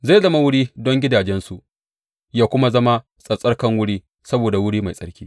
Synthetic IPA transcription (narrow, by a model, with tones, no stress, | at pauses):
za˦˨jzɐ˦ma˦wʊ˦ɽiː˦dɔ˦ŋɡʲɪ˦daː˨d͡ʒɛ˦nsu˨ʔ | jaː˦kʷʊ˦ma˦zɐ˦ma˦ | sʼɐ˨sʼɐ˦rkɐ˦ŋwʊ˦ɽiː˦ | sɐ˦boː˨da˨wʊ˦ɽiː˦ma˨jsʼɐ˦ɽkʲiː˦